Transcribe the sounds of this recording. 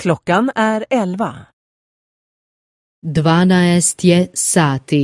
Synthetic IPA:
kʰlɔkːanæɾɛlva̰ | d̪ʋaːnajɛst̪jɛsaːt̪i

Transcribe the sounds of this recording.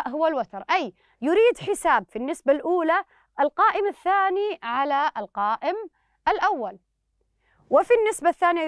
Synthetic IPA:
ʔɦʊwalwat̪ɑɾˤʔaj | jʊɾiːd̪ħɪsaːbfinːɪsbalʔuːla | ʔɪlqɑːʔɪmaθːaːniʕalaʔɪlqɑːʔɪm | ʔalʔawːal | wɪfinːɪsbaθːaːnija

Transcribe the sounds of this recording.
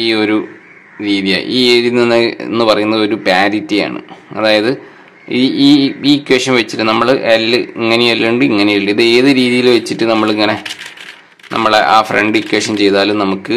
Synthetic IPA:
iːo̞ɾu | ɾiːðija̰j̰iːeɾininːeḛnːɨpɐrɐjunːɐðo̞ɾupaːɾit̪ːija̰ːɳɨ̰ɐðaːjɐðɨ | iiːiikʲːweːʂɐmʋet͡ɕːiʈːɨnɐmːɐɭʔɐlːɨiŋːɐnejɐlːɐɳɖɨiŋːɐnejɐɭːiiðe̞ːðɨɾiːðijilʋet͡ɕːiʈːɨnɐmːɐɭiŋːɐne | nʔɐ̰mːɐɭeʔa̰ːfreɳɖikʲːweʂɐmt͡ɕe̞jt̪aːlumnɐmukːɨ

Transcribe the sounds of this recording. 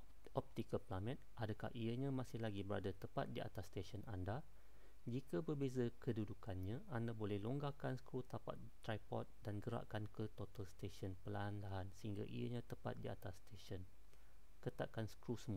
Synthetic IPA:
ʔɔp̚t̪ikəlplamɛ̃t̪̚ʔadakahʔijəɲãmãsɪhlaɡibəɾa̰dat̪əpat̪̚diʔa̰t̪asːt̪esənanda | d͡ʒikabərbezakədudukanɲãandabolɛhloŋɡakansə̥kɾut̪apa̰t̪̚t̪ːɾajpɔ̰t̪̚danɡəɾa̰ʔkankət̪ot̪alst̪eʃənpəlanlaɦansəhiŋɡa̰ʔḭjə̰ɲãt̪əpa̰t̪̚dia̰t̪ast̪eʃən | kət̪a̰ʔkansə̥kɾusəmu

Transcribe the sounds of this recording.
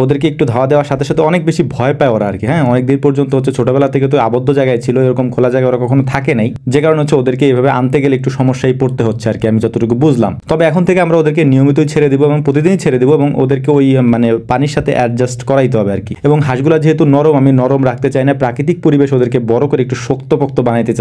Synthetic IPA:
od̪eɾkeek̚ʈud̪ʱaoad̪eoaɾʃat̪ʰeʃat̪eɔnek̚beʃibʱɔepaeoɾaa̰ɾkiɦɛ̃ɔnek̚d̪inpoɾd͡ʑont̪oɦot̪ːʰet͡ɕʰoʈabɛlat̪ʰeket̪uabod̪ʱːod͡ʑajɡaet͡ɕʰiloeɾɔkomkʰolad͡ʑaɡaoɾakɔkʰonot̪ʰakenajd͡ʑekaɾoneɦotːɕʰeod̪eɾkeejbʱabeʔant̪eɡeleek̚ʈuʃɔmoʃːajpoɾt̪eɦotːɕʰeaɾkiamid͡ʑɔt̪oʈukubud͡ʑʱla̰mt̪ɔbeɛkʰont̪ʰekeamɾaod̪eɾk̬enijomit̪̬ojt͡ɕʰeɾed̪iboeboŋpɾot̪̬id̪init͡ɕʰeɾed̪iboeboŋo̰d̪eɾkeojmanepaniɾʃat̪ʰḛʔɛɾd͡ʑasʈkɔɾait̪̬eɦɔbea̰ɾkieboŋɦaʃɡulad͡ʑeɦet̪unɔɾomaminɔɾomɾakʰt̪et͡ɕajnapɾakɾit̪̬ik̚poɾibeʃod̪eɾkebɔɾokoɾeek̚ʈuʃokt̪opok̚t̪obanajt̪et͡ɕa

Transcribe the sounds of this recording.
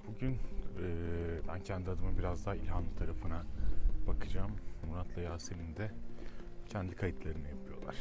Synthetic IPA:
buɟynɯːbæncʰænd̪iad̪ɯmɯbiɾazd̪aɦilʲɦanlˠɯt̪ʰaɾafɯnab̥akʰɯd͡ʒaːmːunat̪lˠajaːselʲind̪ɛ | cʰɛnd̪ikʰajit̪ʰlˠaɾɯnɯjapʰɯjo̞lˠa̰ɾ̥

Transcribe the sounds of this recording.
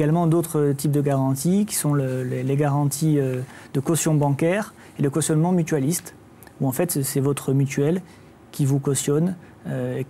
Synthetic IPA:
ɡalmɑ̃d̪ot̪χət̪ip̚d̪əɡaʁɑ̃t̪ikʲi̥sɔ̃ləleleɡaʁɑ̃t̪ʰiød̪əkɔsjɔ̃bɑ̃kʲɛʁ | eləkɔsjɔnmɑ̃myt̪ɥalist̪ | uɑ̃fɛt̪sɛvɔt̪χəmyt̪ɥɛl | kʲivukɔsjɔn | øe

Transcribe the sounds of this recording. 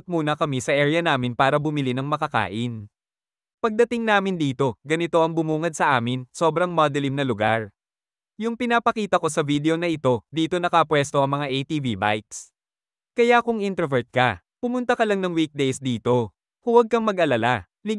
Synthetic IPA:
t̪̚muːnɐkɐmisɐʔɛːɹɪjɐnaːmɪnpaːɾɐbʊmɪlinɐŋmɐkɐka̰ːʔɪn | pɐɡ̚d̪ɐt̪ɪŋnaːmɪnd̪iːt̪o̞ɡɐnɪt̪o̞ʔɐŋbʊmuːŋɐd̪̚sɐʔaːmɪnso̞ːbɾɐŋmad̪ɛlimnɐlʊɡa̰ɹ | jʊŋpɪnapɐkiːt̪ɐko̞sɐvid̪ɛo̞nɐʔɪt̪o̞d̪iːt̪o̞nɐkɐpwɛst̪o̞ʔɐŋmɐŋaʔejt̪iːviba̰jks | kɐjakʊŋʔint̪ɛɹvɛɹt̪̚kɐ̰ | pʊmʊnt̪ɐkɐlɐŋnɐŋwik̚d̪ɛjsd̪iːt̪o̞ | hʊwɐɡ̚kɐŋmɐɡʔɐlɐala | lɪ

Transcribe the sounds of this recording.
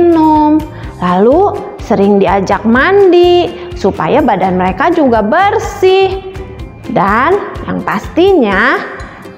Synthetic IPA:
nʊm | lalu | səɾɪŋdiad͡ʒak̚mandi | supa̰jabadanməɾekad͡ʒuɡabərsɪh | danja̰ŋpast̪iɲa

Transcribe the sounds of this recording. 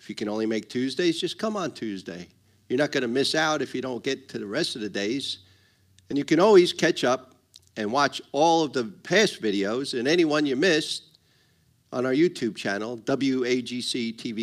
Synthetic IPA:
ɨfjɨkɨ̃ñõʊ̃nlimeɪk̚tʰʉzdeɪzd͡ʒʌskʰʌ̃mə̃ntʰʉzdḛɪ | jə˞nɨt̚ɡ̥ʌnɨmɪsaʊɾɨfjɨɾõʊ̃nɡ̥ɛtʰɨðɨɹɛstʌvðɨdeɪz̥ | ɨ̃njɨkɨ̃ñɔlˠwiz̥kʰɛt͡ʃʌp̚ | ɨ̃nwɑt͡ʃɔlˠʌvðəpʰæsvɪɾioʊzɨ̃nɛñiwʌ̃njə˞mɪst | n̩aə˞jʉtʰʉb̚t͡ʃʰænl̩ˠdʌbl̩ˠjʉeɪd͡ʒisitʰivi

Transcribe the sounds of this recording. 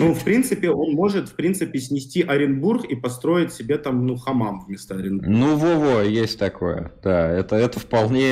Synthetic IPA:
nufpɾʲint̪sɨpʲɪo̞nmo̞ʐɨt̪fpɾʲint̪sɨpʲɪsʲnʲɪsʲtʲiʔɐɾʲɪnburxipɐst̪ɾo̞ɪtʲsʲɪbʲet̪amnuxɐmamvmʲɪst̪aɐɾʲɪnbnuvovojesʲtʲt̪ɐko̞jə̰d̪̥aɛt̪əɛt̪əfpɐlˠnʲe

